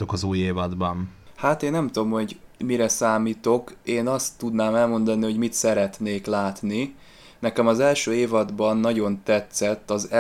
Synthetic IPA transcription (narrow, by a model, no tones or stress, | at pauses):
t̪okɒzuːjeːvɒd̪bɒnhaːt̪eːnːɛmt̪uomho̞ɟmiɾɛsaːmiːt̪o̞keːnɒst̪ːud̪naːmɛlmo̞nd̪ɒniɦo̞ɟmit̪sɛɾɛt̪neːklaːt̪ni | nɛkɛmɒzɛlʃøːeːvɒd̪bɒnːɒɟo̞nt̪ɛt̪sɛt̪ːɒz